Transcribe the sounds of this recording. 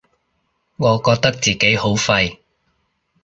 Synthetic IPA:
ŋɔː˨˧kɔː˧k̚t̪ɐ˥k̚t͡siː˨ke˨˥jho˨˥wfɐ˧j

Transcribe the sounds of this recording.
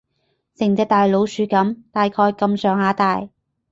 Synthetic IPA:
sɪ˨˩ŋt͡sɛː˧t̪aː˨jlo˨˥wsyː˨˥kɐ˨˥mt̪aː˨jkʰɔː˧jkɐ˨msœː˨ŋhaː˨˥t̪aː˨j

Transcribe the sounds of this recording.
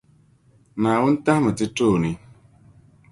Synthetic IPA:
nãː˨wu˦n̩˦tã˦hmɨ˨ti˦toː˦˨ni˨

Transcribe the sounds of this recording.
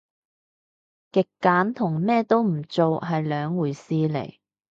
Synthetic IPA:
kɪ˨kːaː˨˥nt̪ʰʊ˨˩ŋmɛː˥t̪o˥wm̩˨˩t͡so˨wɦɐ˨jlœː˨˧ŋwuː˨˩jsiː˧lḛ˨˩j

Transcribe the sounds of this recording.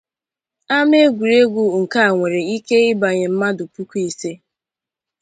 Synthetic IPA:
a˦m˦e˦ɡʷu˨ɾe˦ɡʷu˦ŋ̩˨ka˦a˨ŋʷe˨ɾe˨i˦ke˦ɪ˦ba˨ɲe˨m̩˦ma˦dʊ˨pu˦ku˦i˨se˦

